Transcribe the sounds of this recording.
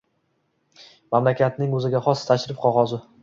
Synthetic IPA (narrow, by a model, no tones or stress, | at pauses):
mamlakʲʰat̪̚nɪŋɵzɪɡʲaχɒst̪ʰaʃɾɪfqʰɒʁɒzʊ